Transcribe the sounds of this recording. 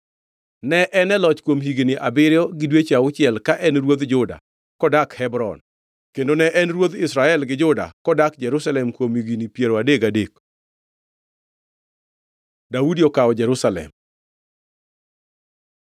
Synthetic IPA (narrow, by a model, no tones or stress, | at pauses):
nɛʔɛnɛlɔt͡ʃkwomɦiɡiniʔabɪɾɪjɔɡɪdwet͡ʃaʊt͡ʃɪɛlkaʔɛnɾwod̪d͡ʒʊda̰ | kɔdakhɛbɾɔ̰n | kendonɛʔɛnɾwod̪ɪsɾaɛlɡɪd͡ʒʊda̰kɔdakd͡ʒɛɾʊsalɛmkwomhiɡinipjeɾoadeɡadek | daudiɔkaɔd͡ʒɛɾusalɛ̰m